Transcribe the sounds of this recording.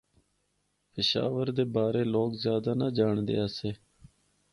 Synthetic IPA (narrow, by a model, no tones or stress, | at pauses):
pɪʃa̰ːʋəɾd̪eːbaːɾeːloːkzjaːd̪aːnaːd͡ʒaːɳd̪ḛːaːseː